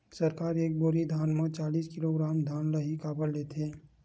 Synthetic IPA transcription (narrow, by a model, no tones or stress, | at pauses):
səɾkaːɾeːk̚boɾid̪ʱaːnmə̃t͡ʃaːliːskɪloɡɾaːmd̪ʱaːnləɦikaːbəlleːt̪ʰeː